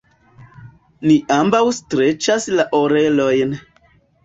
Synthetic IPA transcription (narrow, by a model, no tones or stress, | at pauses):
niʔambawstɾet͡ʃaslaʔoɾelojn